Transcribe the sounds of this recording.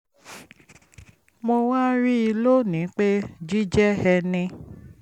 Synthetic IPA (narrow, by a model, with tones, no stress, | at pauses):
mo˧wa˦ɾi˦i˧lo˦nĩ˨˦k͡pe˦d͡ʒi˦d͡ʒɛ˦hɛ˧nĩ˧